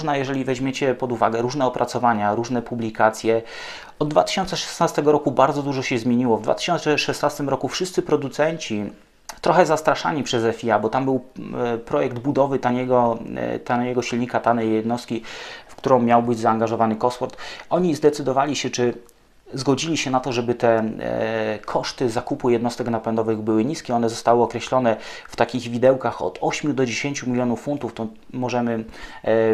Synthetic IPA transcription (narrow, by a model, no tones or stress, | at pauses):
ʐnajɛʐɛlʲivɛʑmʲjet͡ɕɛpɔd̪uva̰ɡɛɾuʐnɛɔpɾʔat̪sɔvaɲaɾuʐnɛpublʲikat̪sʲjɛ | ɔd̪̚ːvat̪ɘ̥ɕɔnt̪sɛʂɛ̥snast̪ɛɡɔɾɔkubaɾd̪zɔd̪uʐɔɕɛzmʲjeɲiwɔvd̪va̰t̪ɘ̥ɕɔnt̪sɛʂɛsnast̪ɘmɾɔkufʂɘst̪sɘpɾɔd̪ut̪sɛɲt͡ɕi | t̪ɾɔxɛzast̪ɾaʂa̰ɲipʂɛzɛfʲiabɔt̪ambɘwpɾɔjɛɡ̚d̪bud̪ɔvɘt̪aɲɛɡɔt̪anjɛɡɔɕilɲikat̪anɛjjːɛd̪nɔst̪̚kʲifkt̪uɾɔ̃w̃mʲjawbɘd͡ʑzaːŋɡaʐɔvanɘkɔsfɔɾt̪ɔɲizd̪ɛt̪sɘd̪ɔvalʲiɕɛt͡ʂɘ | zɡɔd͡ʑilʲiɕɛnat̪ɔʐɛbɘt̪ɛ | kʰɔʂt̪ɘzakupujɛd̪nɔst̪ɛknapɛnd̪ɔvɘɣbɘwɘɲiskʲɛɔnɛzɔst̪awɘɔkɾɛɕlɔnɛft̪akʲiɣvʲid̪ɛwkaxɔ̰t̪ɔɕmʲjud̪ɔd͡ʑeɕeɲt͡ɕumʲilʲjɔnufːunt̪uft̪ɔ | mɔʐɛmɘ